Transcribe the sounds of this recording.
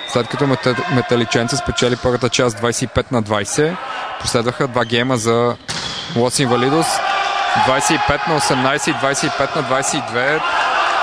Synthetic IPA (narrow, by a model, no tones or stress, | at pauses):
slɛt̪̚kɐt̪omɛt̪ɐlit͡ʃɛnt̪səspɛt͡ʃɛlipɤɾvət̪ət͡ʃazd̪vajsɛipɛt̪nɐd̪vajsɛposlɛd̪vəxəd̪vaɡɛjməzɐ | lˠɔsinvɐlid̪osd̪vajsɛipɛt̪nɐosɛmnajsɛid̪vajsɛipɛt̪nɐd̪vajsɛid̪vɛ